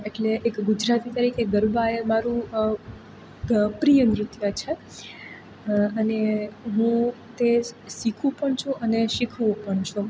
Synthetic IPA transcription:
eʈleʔːkɡʊd͡ʒɾat̪it̪əɾikeɡəɾbaemaɾũ | pɾijənɾʊt̪jat͡ʃʰe | əneɦũt̪esikʰũpəɳt͡ʃʰũʔəneʃikʰʋũpəɳt͡ʃʰũ

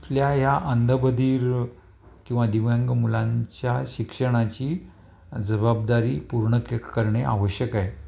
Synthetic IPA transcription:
pljajaʔənd̪ʱəbəd̪ʱiːɾ | kĩw̃ʋad̪iʋjaŋɡmulãɲt͡ɕjaɕikʂəɽ̃at͡ɕiː | d͡zəbabd̪aɾiːpuɾɳəkekkəɾɳeʔa̰ʋəɕjəkae

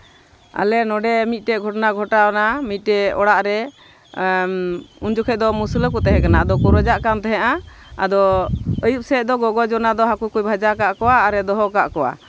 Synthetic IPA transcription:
a̰lɛnɔɖɛmit̪̚ˀʈɛɡʱɔʈnaɡʱɔʈanamit̪̚ˀʈɛɔɽaʔɾɛ | und͡ʒukʰɛd̪ɔmuslkut̪ɛɦɛ̃kanaad̪ɔkuɾɔd͡ʒaʔkamt̪ɛɦɛ̃ʔa | a̰d̪ɔəjup̚sɛd̪ɔɡɔɡɔd͡ʒɔnad̪ɔɦakukujbʱad͡ʒakaʔkɔwaːɾɛd̪ɔɦɔkaʔkɔwa̰

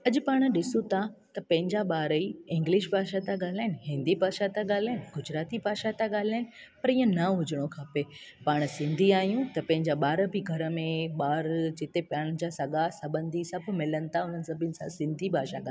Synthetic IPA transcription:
ɐʄʊpaːɽ̃ɗɪsũt̪ʰat̪ɐpɐ̃ɦɪ̃ɲd͡ʑaɓaːɾəiɪ̃ŋɡlɪʃ̬bʱaːʃat̪aɠaːl̤aːɦɪnɪ̆ɦɪ̃nd̪ibʱaːʃat̪aɠaːl̤aːɦɪnɪɡʊd͡ʑɾaːt̪ibʱaːʃat̪aɠaːl̤aːɦɪnɪ̆ | pɐɾiːə̃nɐɦʊd͡ʑəɽ̃okʰaːpe | paːɽ̃sɪ̃nd̪ʱiaːɦijũt̪ɐpɐ̃ɦɪ̃ɲd͡ʑaɓaːɾə̆biɡʱɐɾə̆mẽɓaːɾd͡ʑɪt̪epaːɽ̃d͡ʑaːsɐɡasɐbə̃nd̪ʱisɐbʱmɪlənɪ̆t̪ʰaʊn̤ənɪ̆sɐbʱɪnɪ̆sãsɪ̃nd̪ʱibʱaːʃaɠaː

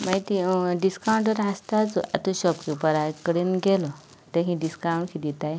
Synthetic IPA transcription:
mait̪iɖiskawuɳʈəɾɦast̪at͡sṵʔa̰t̪uɕɔpkipəɾakəɽinɡelɔ | t̪eɦĩɖiskauɳɖkʰid̪it̪aj

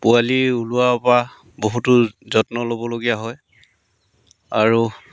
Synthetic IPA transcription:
pualiuluapa | boɦutʊzɔtnɔlobɔloɡijaɦɔj | aɹu

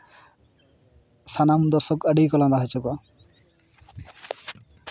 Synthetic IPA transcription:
sanamd̪ɔɾsɔkaɖijkɔland̪aɦat͡ʃɔɡa

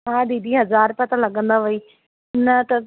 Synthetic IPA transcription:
ɦãːɗid̪ʱĩɦɐzaːɾpɐt̪ãlɐɠə̃nd̪aʋɐiː | nɐt̪ɐ

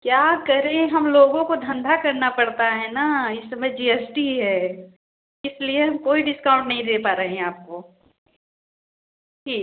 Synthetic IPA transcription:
kjaːkɐɾẽɦɐmloːɡõkod̪ʱɐ̃nd̪ʱakɐɾnapɐɽt̪aɦɛnaɪsɐməd͡ʒiːɛsʈiɦɛː | ɪslieɦɐmkoːiɖɪskaːʊ̃ɳʈnɐɦĩd̪eːpaːɾeɦeɦɛ̃aːp̚ko | ʈʰiː

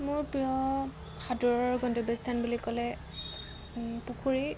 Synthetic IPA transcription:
mʊɹpɹijɔ | xadɔɹɔɹɡɔndɔbestʰanbulikɔlɛ | pukʰuɹi

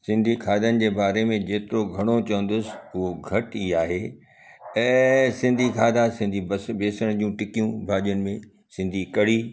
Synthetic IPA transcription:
sɪ̃nd̪ʱikʰaːd̪ʱənɪ̆d͡ʑeːbaːɾemẽd͡ʑeːt̪ɪɾoɡʱɐɽ̃ot͡ɕɐʋə̃nd̪ʊsɪ̥ʊɦoɡʱɐʈiːaːɦeː | ɛ̃ːsɪ̃nd̪ʱikʰaːd̪ʱasɪ̃n̆d̪ʱibbeːsəɽ̃d͡ʑũʈɪkijũbʱaːʄijənɪ̆mẽ | sɪ̃nd̪ʱikɐɽ̤iː

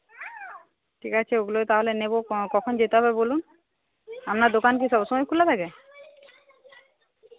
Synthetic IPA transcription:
ʈʰikat͡ɕʰeoɡuloet̪aɦolenebokɔkʰond͡ʑet̪eɦɔbebolun | amnad̪okank̬iʃɔbʃɔmɔjkʰulːat̪ʰake

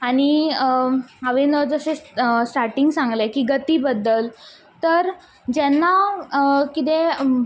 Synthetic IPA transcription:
aɽ̃i | aʋenəd͡zəsesʈaɾʈiŋɡsãŋɡlekiːɡət̪iːbəd̪ːəl | t̪əɾ | d͡ʑɛnːa | kit̪̬e

